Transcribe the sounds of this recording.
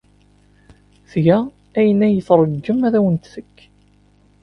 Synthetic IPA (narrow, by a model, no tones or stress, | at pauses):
θʝæ | æjənæjət͡sɾˤəɡːəmæðæwənt̪θəkː